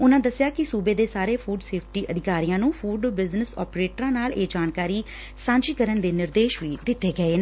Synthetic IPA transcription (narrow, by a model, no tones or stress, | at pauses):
ʊnãːd̪əsːɪjaːkɪsuːbeːd̪eːsaːɾeːpʰuːɖseːpʰʈiːʔəd̪ɪkaːɾijãːnũːpʰuːɖbɪznəsɔ̰ːpɾeːʈəɾãːnaːleːd͡ʒaːnkaːɾiː | sãːd͡ʒiːkəɾənd̪eːnɪɾd̪eːʃʋiːd̪ɪt̪ːeːɡəeːnː